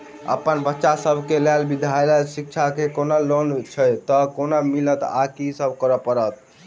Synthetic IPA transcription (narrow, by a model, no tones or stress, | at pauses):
ə̰pənbətːʃasəbʱkelelbid̪ʱajləsik̚t͡ʃʰakekonalont͡ʃʰəjt̪əkonamilət̪a̰kisəbʱkəɾəpəɾət̪̚